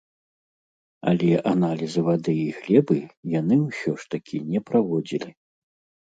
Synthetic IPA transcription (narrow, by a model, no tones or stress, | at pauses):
a̰lʲɛʔanalʲizɨvad̪ɨjiɣlʲɛbɨjanɨwsʲɔʂt̪akʲʰinʲɛpɾavɔd͡zʲilʲi